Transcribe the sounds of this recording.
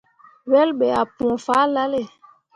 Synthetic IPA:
wɛ˦lɓɛ˨a˨pu˨ɔ̃˨fa˦la˦le˦˨

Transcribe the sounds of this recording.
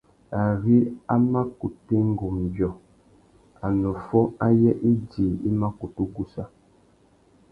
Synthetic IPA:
a˨ɣi˦a˦ma˦ku˨te˦ŋ˦ɡo˨m˨bjɔ˨ | a˨nɔ˨fɔ˦a˦jɛ˦ʔi˦diː˨i˦ma˦ku˨tu˦ɡu˦sa˦

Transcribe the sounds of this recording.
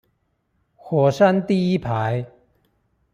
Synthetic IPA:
xwɔ˨˩sa˥˧nt̪i˥˧i˦pʰa˨˦j

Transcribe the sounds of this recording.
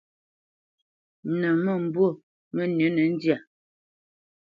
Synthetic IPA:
nə˨mə˦˨m̩˨bwo˦˨ | mə˦nə˨˦nə˨n̩˦dja˨

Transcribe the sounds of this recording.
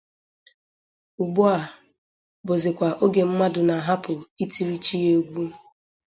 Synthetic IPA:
ʊ˨ɡ͡bʊ˦a˨ | bʊ˨zɪ˨kʷa˨ʔo˦ɡe˨m̩˦ma˦dʊ˨na˨ɦa˦pʊ˨i˦tʰi˦ɾi˦t͡ʃi˦je˦ɡʷu˦

